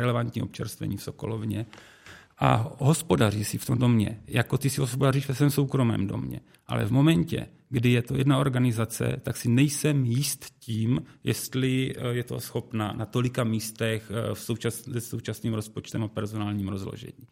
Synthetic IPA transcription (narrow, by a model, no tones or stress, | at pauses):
ɾɛlɛvant̪ɲiːʔo̞pt͡ʃɛ̰ɾst̪vɛ̰ɲiːfso̞ko̞̰lovɲɛ | ʔa̰ɦo̞spo̞dar̝iːsɪft̪omdo̞mɲɛ̰jako̞t̪ɪsɪɦospodariːʃvɛsvɛːmso̞wkɾo̞mɛ̰ːmdo̞̰mɲɛ̰ | ʔa̰lɛ̰vmo̞mɛɲcɛ̰ | ɡdɪjɛt̪o̞jɛdnao̞ɾɡanɪzat͡sɛ̰t̪aksɪnɛjsɛmjɪst̪ciːmjɛst̪lɪjɛt̪o̰sxo̞pna̰nat̪o̞lɪkamiːst̪ɛxfsowt͡ʃaszɛso̞wt͡ʃasniːmɾo̞spo̞t͡ʃt̪ɛmapɛɾzo̞naːlɲiːmɾo̞zlo̰ʒɛ̰ɲiː